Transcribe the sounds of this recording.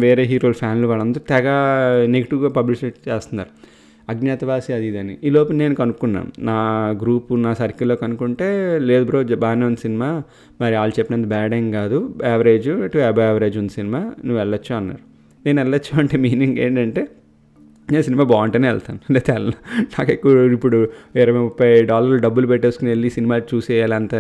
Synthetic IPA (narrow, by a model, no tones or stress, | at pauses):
ʋeːɾe̞ːɦiːɾoːlpʰaːnliʋaːɭɐnd̪ɐɾut̪ɛɡaːnekʈuɡaːpɐbliʃeʈt͡ʃeːst̪unːa̰ːɾu | ɐɡnat̪ɐʋaːsiɐd̪id̪ɐniʔiːlo̞ːpɐnne̞ːnukɐnukunːa̰ːnunaːɡɾuːpunaːsɐɾikːiloːkɐnukuɳʈe̞ːle̞ːd̪ubɾoːd͡ʒbaːneːund̪isinimaː | mɐɾiaːlut͡ʃɛpːinɐnt̪ɐbɛːɖeŋkaːd̪uɛʋɐɾe̞ːd͡ʒuɐʈuɛbɐɛʋɐɾe̞ːd͡ʒund̪isinimaːnuʋːɛɭːɐt͡ʃːuɐnːa̰ːɾu | ne̞ːnɛɭːɐt͡ʃːuɐɳʈe̞ːmiːniŋɡḛːɳʈɐɳʈe̞ː | neːnsinimaːbaːɳʈɐneɛ̰ɭt̪aːnleːt̪ɛːlɐnɐnaːkekːuipːuɽuɛɾɐʋɐupːɐjɖaːlɐɾluɖɐbːulup̬ɛʈːeskunelːisinimaːt͡ʃuːsɛːjaːlɐnt̪ɐ